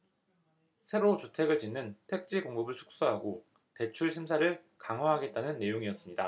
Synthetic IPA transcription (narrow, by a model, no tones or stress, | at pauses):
sʰe̞ɾot͡ɕutʰe̞ɡɯɭt͡ɕinːɯntʰe̞k̚t͡ɕ͈iɡoŋɡɯbɯɭt͡ɕʰu̥k̚s͈oɦaɡo | te̞t͡ɕʰuɭɕʰims̬ʰaɾɯɭ | kaŋɦwaɦaɡe̞t̚t͈anɯnːe̞joŋiʌs͈ɯmɲida